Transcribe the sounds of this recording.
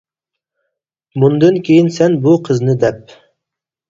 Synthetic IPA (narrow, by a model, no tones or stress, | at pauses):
mund̪ɨnkʲʰejinsɛnbuqʰəznɨd̪ɛp̚